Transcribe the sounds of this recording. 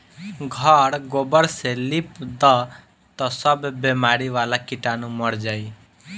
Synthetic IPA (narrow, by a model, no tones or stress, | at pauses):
ɡʱɔɽɡobəɾselipd̪ɔ | t̪ɔsʌbbemaɾiʋalakiʈanũmʌɾd͡ʒaj